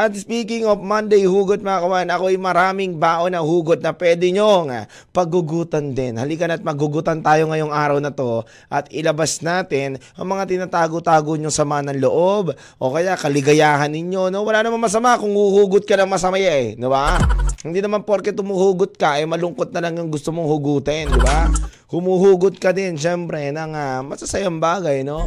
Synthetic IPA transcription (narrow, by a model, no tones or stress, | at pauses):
ʔɐt̪spiːkɪŋofmɐnd̪ɛjhuːɡod̪̚mɐkɐmanɐko̞ʔɐjmɐɾaːmɪŋbaːʔonɐhuːɡod̪̚nɐpwɛːd̪ɪɲoŋa | pɐɡʊɡuːt̪ɐnd̪ɛnhɐlɪɡɐnɐt̪̚mɐɡʊɡut̪ɐnt̪aːjo̞ŋɐjo̞ŋʔaːɾɐwnɐt̪o̞ | ʔɐt̪ɪlɐbasnaːt̪ɪnʔɐŋmɐŋat̪ɪnaːt̪aːɡot̪aːɡoɲoŋsɐmanɐŋloʔob | ʔo̞kɐjaʔkɐlɪɡɐjaːhɐnːɪɲo̞no̞wɐlaːnɐmanmɐs̬ɐmakʊŋhuhuːɡʊt̪̚kɐnɐŋmɐsɐmɐjaʔɛd̪ɪbahɪnd̪iːnɐmanpoɾkɛt̪ʊmuhuːɡʊt̪̚kɐʔɐjmɐlʊŋkot̪̚nɐlɐŋjʊŋɡʊst̪omoŋhʊɡuːt̪ɛnd̪ɪba | hʊmuːhuːɡʊt̪̚kɐd̪ɛnʃɛmpɾɛnɐŋamɐsɐsɐjambaːɡɐjno̞